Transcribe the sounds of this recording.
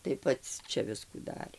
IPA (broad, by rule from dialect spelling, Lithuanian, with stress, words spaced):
tɐɪ ˈpɐts ˈt͡ʃʲɛ ˈʋʲɪskuː ˈdɑːrʲeː